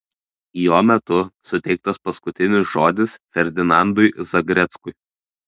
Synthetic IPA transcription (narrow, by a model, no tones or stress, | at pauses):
joːmʲɛt̪ʊsʊt̪ʲɛɪk̚t̪ɐspɐskʊt̪ʲɪnʲɪsʒoːd̪ʲɪsfʲɛɾʲd̪ʲɪnɑnd̪ʊɪzɐɡɾʲɛt̪skʊɪ